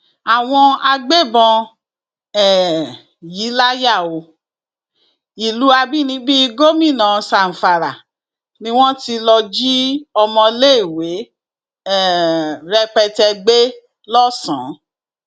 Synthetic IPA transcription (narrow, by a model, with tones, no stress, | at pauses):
a˨w̃ɔ̃˧a˧ɡ͡be˦˨bɔ̃˧ | ɛ˨ | ji˨˦la˦ja˦˨o˧ | i˨lu˨˦a˧bi˦nĩ˧˦bi˦˧ɡo˦mĩ˦˨nã˨sa˨n̩˨fa˨ɾa˨ | nĩ˦w̃ɔ̃˦ti˧lɔ˧d͡ʒi˦ɔ˧mɔ̃˧le˦i˦˨we˨˦ | ɛ˨ɾɛ˧k͡pɛ˧tɛ˧ɡ͡be˦ | lɔ˦sã̰˨˦